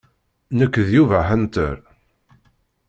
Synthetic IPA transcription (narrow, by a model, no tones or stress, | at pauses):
nəkʷːðjuvæħənt̪ə̰ɾ